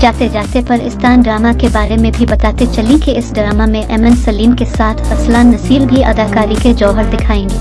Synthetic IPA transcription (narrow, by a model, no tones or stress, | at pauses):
d͡ʒaːt̪ed͡ʒaːt̪epɐɾɪ̰st̪aːnɖɾaːmakebaːɾemẽbʱibɐt̪aːt̪et͡ʃɐlĩkiɪsɖɾaːmamẽʔɛːmənsɐliːmkesaːt̪ʰɐslaːnːɐsiːlbʱiʔɐd̪aːkaːɾiked͡ʒɔːɦəɾd̪ɪkʰaːẽːɡi